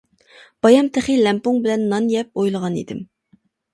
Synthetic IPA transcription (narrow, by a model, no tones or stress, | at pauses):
b̥ɑjɑmt̪ʰɪχilɛmpoŋbɪlɛnːɑnjɛp̚ojlˠəʁɑnḭd̪ɪ̰m